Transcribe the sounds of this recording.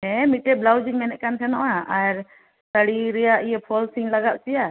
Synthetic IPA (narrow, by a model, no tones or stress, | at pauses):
ɦɛ̃miʈɛblawd͡ʒiŋmɛnɛʔ̚kant̪ʰɛnɔ̰ʔaaɾ | səɽiɾɛjaʔijɛpʰɔlsiŋlaɡaʔt͡ʃija